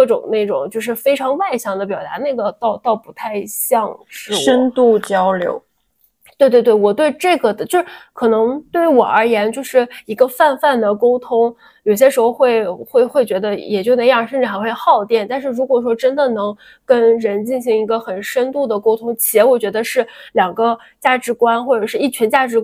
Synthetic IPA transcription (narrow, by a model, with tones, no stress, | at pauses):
kɤ˥˩ʈ͡ʂʊ˨˩ŋna˥˩ʈ͡ʂʊ˨˩ŋt͡ɕjo˥˧ʊʂ̬ɻ̩˥˩fe˥ɪʈ͡ʂʰɑ˧˥ŋwa˥˩ɪɕjɑ˥˩ŋd̪ə˦pjɑ˨˩ʊt̪a̰˧˥na˥˩ɡə˩t̪ɑ˥˧ʊt̪ɑ˥˩ʊpu˧˥t̪ʰa˥˧ɪɕjɑ˥˧ŋʂɻ̩˥˩wə˥nt̪u˥˩t͡ɕjɑ˥ʊljo̰˧˥ʊ | t̪we˥˧ɪt̪wɪt̪̬ɪwɔ˨˩t̪we˥˧ɪʈ͡ʂɤ˥˩ɡə˩d̪t͡ɕjo˥˧ʊʂ̩˥kʰɤ˨˩nɤ˧˥ŋt̪we˥˩ɪwɔ˨˩ə˞˧˥jɛ˧˥nt͡ɕjo˥˧ʊʂɻ̩˥˩i˧˥ɡə˧fa˥˧nfa˥˩nd̪ə˩ko˥ʊt̪ʰʊ˥ŋ | jo˨˩ʊɕjɛ˥ʂɻ̩˧˥xo˥˧ʊxwe˥˧ɪxwe˥˩ɪxwe˥˩ɪt͡ɕɥɛ˧˥d̪ə˧jɛ˨˩t͡ɕjo˥˩ʊne˥ŋjɑ˥˧ŋʂə˥˧ʈ͡ʂɻ̩˥˩xa˧˥ɪxwe˥˧xɑ˥˧ʊt̪jɛ˥˩nt̪a˥˧nʂ̬ɻ̩˥˩ɻu˧˥kwɔ˨˩ʂwɔ˥ʈ͡ʂə˥nd̪ə˨nɤ˧˥ŋ | kə˥nɻə˧˥nt͡ɕi˥˩nɕi˧˥ŋi˧˥ɡə˧xə˨˩nʂə˥nt̪u˥˩d̪ə˩ko˥ʊt̪ʰʊ˥ŋt͡ɕʰi˧˥jɛ˧˥wɔ˨˩t͡ɕɥɛ˧˥d̪ə˧ʂɻ̩˥˩ljɑ˨˩ŋɡə˦ | t͡ɕja˥˩ʈ͡ʂɻ̩˧˥kwa˥nxwɔ˥˩ʈ͡ʂɤə˨˩ʂɻ̩˥˧i˥˩t͡ɕʰɥɛ˧˥nt͡ɕja˥˩ʈ͡ʂɻ̩˧˥